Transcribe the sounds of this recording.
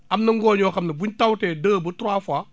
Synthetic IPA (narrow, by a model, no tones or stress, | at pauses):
ʔamnɐŋɡɔːɲɔːxɐmnɐbuɲtawtɛːdəːbətɾaːfa